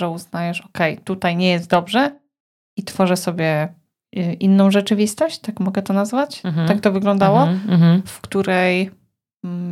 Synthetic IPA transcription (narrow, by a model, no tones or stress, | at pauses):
ɛuznajɛʂɔkɛjt̪ut̪ajɲɛjɛst̪̚d̪ɔbʐɛ | it̪fɔʐɛsɔbʲjɛ | ʔinːɔ̃w̃ʐɛt͡ʂɘvʲist̪ɔɕt͡ɕt̪akmɔɡɛt̪ɔnazvat͡ɕt̪ak̚t̪ɔvɘɡlɔ̃nd̪awɔfkt̪uɾɛj